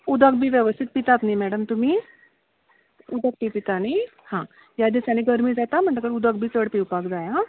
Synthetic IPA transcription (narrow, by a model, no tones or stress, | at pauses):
ud̪ək̚bʱiːʋjəʋəst̪ʰit̪̚pit̪at̪nimɛɽəmt̪umiː | ud̪ək̚pipit̪anihã | jad̪isjaneɡəɾmiːd͡zat̪am̤əɳʈakəɽeud̪ək̚bʱiːt͡səɽpiwpakd͡zaja